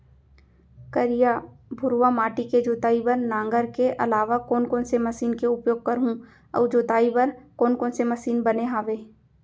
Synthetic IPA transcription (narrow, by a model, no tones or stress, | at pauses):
kəɾijabʱʊɾwamaːʈiked͡ʒoːt̪aːibəɾnãːŋɡəɾkeʔɐlaːʋakɔːnkɔːnsemɐsiːnkeʊpjoːɡ̚kɐɾɦũ | ɔ̰ːd͡ʒoːt̪aːibəɾkɔːnkɔːnsemɐsiːnbɐneɦaːʋeː